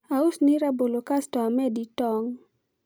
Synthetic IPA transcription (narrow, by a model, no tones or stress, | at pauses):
ausniɾabolokastɔamɛditɔŋ